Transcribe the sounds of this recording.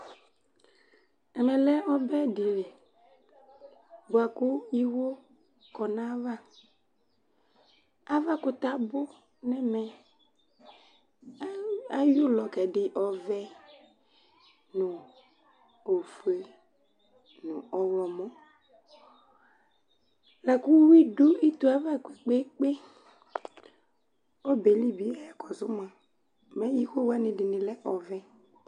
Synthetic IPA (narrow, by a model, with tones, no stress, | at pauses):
ɛ˨ɾɛ̃˨lɛ˦ɔ˦bɛ˦dɪ˨ɾe˨ | bʊ˨a˨kʊ˦i˦wo˦ | kɔ˨nã˦va˦ | a˦va˦kʊ˨t̪a˦bʊ˦ | nɛ˦mɛ˨ | a˦ju˦lɔ˨kɛ˨ɖɪ˨ʔɔ˨vɛ˦ | nʊ̃˨ | o˨fe˨ | nʊ̃˨ɔ˨wɔ˨mɔ̃˦ | la˨ku˦wi˦ɖo˦i˦t̪u˦a˦va˦˨ke˨k͡pe˦k͡pe˦ | ɔ˦be˨li˦bi˨˦ɛ˦ɛ˨kɔ˨zʊ˦mã˨ | mɛ˦ji˦xe˦wa˦nɪ̃˨dɪ˨nɪ̃˨lɛ˦ʔɔ˨vɛ˦